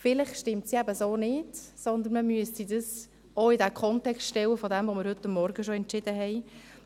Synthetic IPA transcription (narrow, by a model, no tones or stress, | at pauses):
fɪlɪχʃtɪmtsiæbəsoːnɪdsɔndən̩məmyəstidəs | oɪdɛkʰɔntɛkstʃtɛwəfodɛmvoməɾhʏtːəmːɔɾɡəʃoɛntt͡ʃɪd̥əɦɛɪ